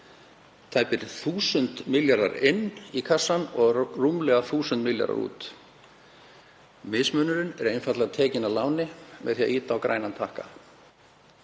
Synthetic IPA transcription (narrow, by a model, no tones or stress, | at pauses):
t̪ʰajpɪɾθuːsʏnt̪mɪljaɾa̰ɾɪnːikʰasːanɔɣrumlɛɣaθuːsʏnt̪mɪlja̰ɾa̰ɾṵːt̪ | mɪsmœnʏɾɪnɛɾejnfat̪laɣat̪ʰɛːcɪnalaːwnɪmɛðθia̰ʔiːt̪awkɾa̰ːjnant̪ʰahka